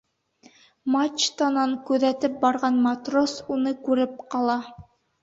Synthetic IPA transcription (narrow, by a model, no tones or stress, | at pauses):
mat͡ʃt̪ɑnɑŋkʉðæt̪ɘp̚bɑɾʁɑnmat̪rosunɤkʉɾɘp̚qɑlˠɑ